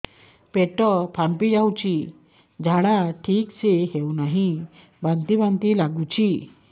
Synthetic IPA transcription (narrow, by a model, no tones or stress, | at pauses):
peʈɔpʰampid͡ʑawt͡ɕi | d͡ʑʱaɽaʈʰiːkseɦewnaɦi | bãnt̪ibãnt̪ilaɡut͡ɕi